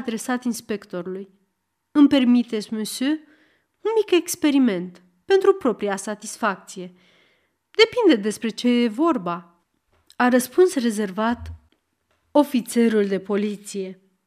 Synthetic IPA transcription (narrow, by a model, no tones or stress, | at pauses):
d̪ɾe̞sat̪inspe̞kt̪o̞ɾuluj | ɨmpe̞rmit̪esʲmusy | unmike̞kspe̞ɾime̞nt̪ | pe̞nt̪ɾupɾo̞pɾiasat̪isfak̚t̪sije̞ | d̪e̞pind̪e̞d̪e̞spɾe̞t͡ʃe̞jevo̞rba | aɾəspunsre̞ze̞rvat̪ | o̞fit̪se̞ɾuld̪e̞po̞lit̪sije̞